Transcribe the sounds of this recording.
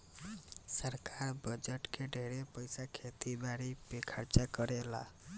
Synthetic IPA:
səɾkaɾbəd͡ʒəʈkeɖʱeɾepəɪsakʰet̪ibaɾipekʰəɾt͡ʃakəɾela̰

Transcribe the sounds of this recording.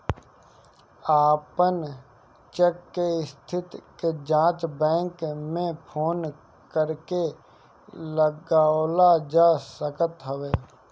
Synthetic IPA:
aːpən | t͡ʃekːeɪst̪ʰɪt̪ked͡ʒãːt͡ʃbɛ̃ːŋkmẽpʰoːn | kəɾke | ləɡaːlad͡ʒaːsəkət̪ɦəweː

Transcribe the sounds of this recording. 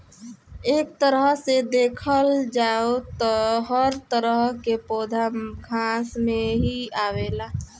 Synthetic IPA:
eːk̚t̪əɾəɦsed̪eːkʰəld͡ʒaːot̪ɔɦəɾt̪əɾəɦkepoːd̪ʱaɡʱãːsmẽɦiaːʋeːlaː

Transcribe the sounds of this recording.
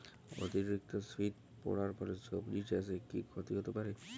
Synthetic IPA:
o̰t̪iɾik̚t̪osfit̪ | pɔ̰ɽaɾpɔɾesopɾid͡ʒɛsekikʰot̪iɦot̪epaɾe

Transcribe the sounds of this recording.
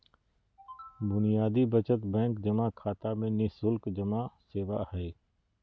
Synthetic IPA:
bʊnijaːd̪ibət͡ʃət̪bɛ̃ːŋkd͡ʒɐmakʰaːt̪amẽnɪsʊlkd͡ʒɐmaseːʋahɛː

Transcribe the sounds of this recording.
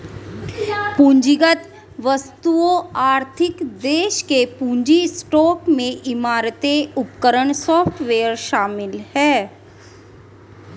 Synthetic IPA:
pũɲd͡ʒɪɡət̪ | ʋəst̪uoaːɾt̪ʰɪkd̪eːʃkepũːɲd͡ʒisʈɔːkmẽʔɪmaːɾət̪eʊpkəɾəɳ̃sɔːpʰʈʋeːəɾʃaːmɪlhɛː

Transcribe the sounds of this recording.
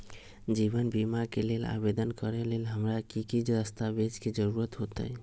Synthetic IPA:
d͡ʒibənbimakelela̰bed̪ənkəɾelelɦəmɾakikid͡ʒɾəst̪abed͡ʒked͡ʒəɾuɾət̪ɦot̪ə̰j

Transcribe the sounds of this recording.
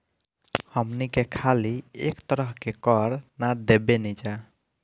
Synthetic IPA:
həmnikekʰaliekt̪əɾəɦkekɔɾnad̪ebenid͡ʒa

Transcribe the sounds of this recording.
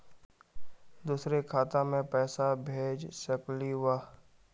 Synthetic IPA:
d̪uːsɾekʰaːt̪ãmẽpɛːsabʱeːd͡ʒsəkliwaː

